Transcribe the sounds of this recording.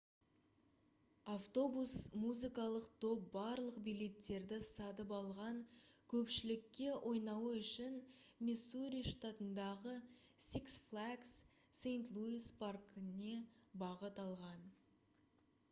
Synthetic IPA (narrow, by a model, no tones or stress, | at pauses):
aft̪o̞busmuzikɑlˠəqt̪ʰo̞p̚bɑɾlˠəqbijle̞t̪ːe̞ɾd̪ɪsɑt̪̬əpɑlˠʁɑŋkʲʰɵpʃɪlɪkʲːe̞wʔo̞jnɑwəʏʃɪnmʲisuɾʲijʂt̪at̪ənd̪ɑʁəsiksflˠaksː | ejnt̪lˠuisparkne̞bɑʁət̪ɑlˠʁɑn